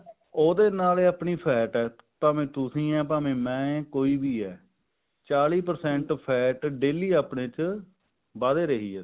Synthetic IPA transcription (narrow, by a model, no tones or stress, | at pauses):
oːd̪eːnaːleːaːpɳiːpʰɛːʈɛː | paːmẽːt̪ʊsĩːɛːp̬aːmẽːmɛ̃ːkoːiːbiːɛː | t͡ʃaːliːpəɾsɛ̃ɳʈpʰɛːʈɖeːliːaːpneːt͡ʃ | baːd̪eːɾəɦiːɛː